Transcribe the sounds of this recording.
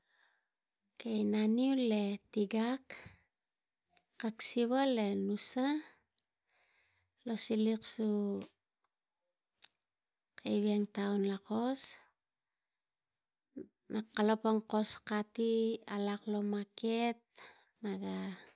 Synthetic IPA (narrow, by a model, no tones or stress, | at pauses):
kejnaniule̞tiɡak | kaksiβale̞nusa | lo̞siliksu | kejβeŋtaunlako̞s | nʔakalopaŋko̞skatialaklo̞maket̚ | naɡa